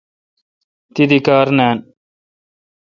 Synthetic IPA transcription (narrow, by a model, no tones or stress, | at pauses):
t̪id̪ikaːɾnaːn